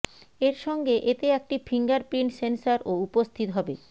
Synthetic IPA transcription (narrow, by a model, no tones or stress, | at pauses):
eɾʃɔŋɡeʔet̪eɛk̚ʈifʰiŋɡaɾpɾinsensaɾoupost̪ʰit̪oɦɔbe